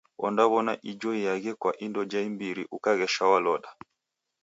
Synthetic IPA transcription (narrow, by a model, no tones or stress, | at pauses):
wʔɔ̰ndaβɔna̰ʔid͡ʒɔijaɣɛkwaʔindɔd͡ʒaimbiɾḭʔukaɣɛʃawalɔɗa